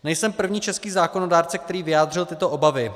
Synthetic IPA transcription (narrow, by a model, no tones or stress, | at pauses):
nɛjsɛmpr̩vɲiːt͡ʃɛskiːzaːkono̞daːɾt͡sɛkt̪ɛɾiːvɪjaːd̪r̝ɪlt̪ɪt̪o̞ʔo̞bavɪ